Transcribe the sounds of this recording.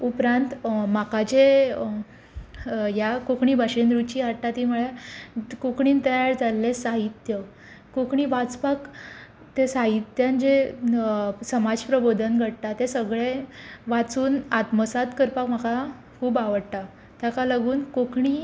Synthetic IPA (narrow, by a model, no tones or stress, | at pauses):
upɾant̪makat͡ɕe | jakokɳiːbʱaɕend̪ɾut͡ɕiːɦaɽʈat̪imuɭjekokɳiːnt̪əjaɾd͡zalːesaɦit̪jə | kokɳiːʋat͡spak | t̪esaɦit̪jand͡ʑe | səmad͡ʑpɾəbod̪ʱənɡʱəɽt̪at̪esəɡɭeʋat͡suːnat̪məsat̪kəɾpakm̤aka | kʰuːbaʋəɽt̪a | t̪jakaləɡuːnkokɳi